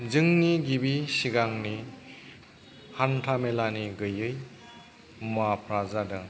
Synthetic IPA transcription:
zɯŋniɡibisiɡaŋni | hantʰamelaniɡɯjɯj | mapʰɾazadɯ

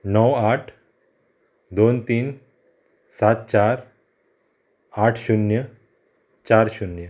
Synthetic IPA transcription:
nəwaʈʰ | d̪ont̪iːn | sat̪̚t͡ɕaɾ | aʈʰɕunjə | t͡ɕaɾɕunjə

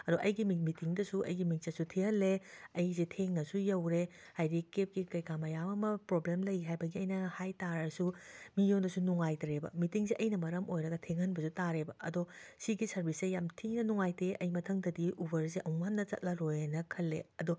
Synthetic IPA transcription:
ɐdoʔɐjɡimimitiŋdɐsuʔɐ̰jɡimiŋ̚sɐsutʰihɐlːeɐjzetʰeŋnɐsujɐwɾe | hajdikep̚kikɐjkamɐjamɐmɐpɾoblemlɐjɦajbɐɡiɐjnɐhajtaɾɐsumijondɐsunuŋajtɾebɐ̰mitiŋseʔɐjnɐmɐɾɐmʔojɾɐɡɐtʰeŋhɐnbɐsutaɾebɐʔɐdosiɡisɐɾbisejamtʰiŋnɐnuŋajteʔɐjmɐtʰɐŋdɐdiʔubɐɾzeʔɐmamnɐt͡ʃɐ̰t̚lɐɾojnɐkʰɐlːḛɐdo

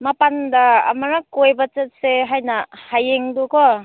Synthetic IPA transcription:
mapanda̰ːmaɾakojbat͡ʃɐt̚seɦajnahajeŋdokɔ

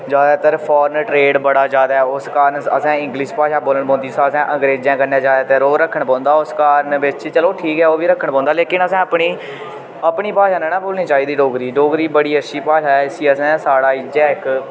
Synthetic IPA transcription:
d͡ʒaːd̪aːt̪əɾpʰɔːɾnʈɾeːɖbəɽaːd͡ʒaːd̪aːɛːʊskaːɾənə̰sɛ̃ːɪ̃ŋɡliːʃpaːʃaːboːləɳpɔ̃ːnd̪iːsãːəsɛ̃ːʔə̃ŋɡɾeːd͡ʒjãːkəɾneaːd͡ʒaːd̪aːt̪əɾoːɾəkʰːəɳpɔ̃ːnd̪aːʊskaːɾənbɪt͡ʃt͡ʃəloːʈʰiːkɦɛːoːʋiːɾəkʰːəɳpɔ̃ːnd̪aːleːkɪnəsɛ̃ːəpɳiː | əpɳiːpaːʃaːnɛ̃ːnãːboːlniːt͡ʃaːiːd̪iːɖoːɡɾiːɖoːɡɾiːbəɽiːəʃʰiːpaːʃaːɛːɪsiːəsɛ̃ːsaːɽaːɪd͡ʒɛːɪk

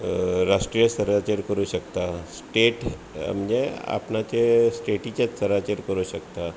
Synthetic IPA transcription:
ɾasʈɾijəsəɾat͡ɕəɾkəɾuɕəkt̪asʈeʈ | a̰mɲea̰pnat͡ɕesʈeʈit͡ɕjat͡ssəɾat͡ɕəɾkəɾuɕəkt̪a

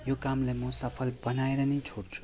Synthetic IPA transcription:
jokamlajmʌsʌpʰʌlbʌnaeɾʌnʌjt͡sʰoɽt͡sʰu̥

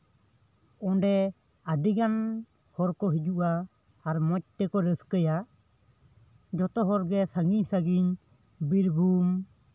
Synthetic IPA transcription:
ɔ̃ɖɛ | aɖiɡan | hɔɾkɔɦid͡ʒuʔaː | ɾmɔc̚ʈ̪ɛkɔɾəskəja | d͡ʒɔt̪ɔɦɔɾɡɛsaŋɡiɲsaɡiɲ | biɾbʱum

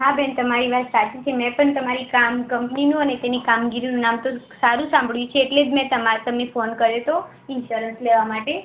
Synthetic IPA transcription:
ɦabɛnt̪əmaɾiʋat̪sat͡ʃit͡ʃʰemɛ̃pəɳt̪əmaɾikamkəmpninũənet̪enikamɡiɾinũnamt̪osaɾũsãmbʱəɭjũt͡ʃʰeːʈled͡ʒmɛ̃t̪əmaɾt̪əmnefonkəɾjet̪o | ɪnʃuɾənsleʋamaʈe

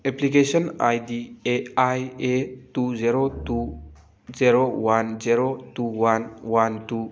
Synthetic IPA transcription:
eplikeʃɔna̰jdieajetud͡ʒiɾotu | ziɾowand͡ʒiɾotuwanwantu

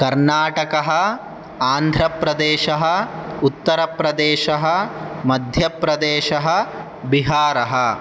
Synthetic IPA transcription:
kɐɾnaːʈɐkɐɦɐ̆ | aːnd̪ʱɾɐpɾɐd̪eːʃɐɦɐut̪ːɐɾɐpɾɐd̪eːʃɐɦɐmɐd̪ʱjɐpɾɐd̪eːʃɐɦɐ | biɦaːɾɐɦɐ

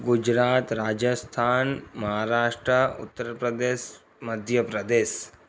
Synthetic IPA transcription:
ɡʊd͡ʒɾaːt̪ɾaːd͡ʒəst̪ʰaːnmɐɦaːɾaːʃʈɾəʊ̰t̪ːəɾpɾəd̪eːʃ | mɐd̪ʱjəpɾəd̪eːʃ

